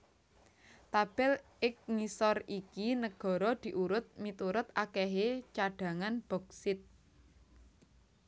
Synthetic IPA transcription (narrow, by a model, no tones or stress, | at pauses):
t̪ab̥ɛl | ɪk̚ŋisɔrikinəɡ̥ɔ̤ɾɔd̪̥i̤ʔuɾʊt̪̚mit̪uɾʊt̪akɛɦet͡ʃaɖ̥ä̤ŋanb̥ɔ̤k̚sɪt̪̚